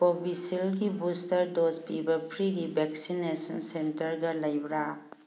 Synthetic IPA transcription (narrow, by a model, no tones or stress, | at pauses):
pobisilɡibustɐɾdozpibɐpʰɾiɾibeksinesɐnsentɐɾɡɐlɐjbɾa